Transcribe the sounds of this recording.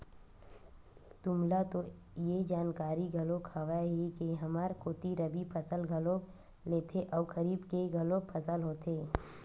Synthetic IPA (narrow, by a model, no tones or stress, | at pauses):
t̪ʊmlat̪o | jed͡ʒaːnkaːɾiɡʱɐlõkʰaːʋaɦikeɦɐmaːɾkoːt̪iɾəbipʰəsəlɡʱɐlõk | leːt̪ʰeʔɔːkəɾiːbkeɡʱɐlõkpʰəsəlɦoːt̪ʰeː